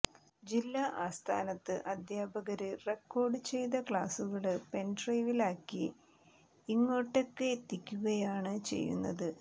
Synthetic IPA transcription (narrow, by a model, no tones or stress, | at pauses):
d͡ʑilːɐʔaːst̪ʰa̰ːnɐt̪ːɨʔɐd̪ʱjaːbɐɣɐɾɨre̞kːo̞ːrɖɨt͡ɕe̞jd̪ɐkɭaːsuɣɐɭɨpe̞nɖrɐjʋilaːkːi | iŋːo̞ːʈːekːeːt̪ːikʲːuɣɐjaːɳɨt͡ɕe̞̰jːṵnːɐ̰ðɨ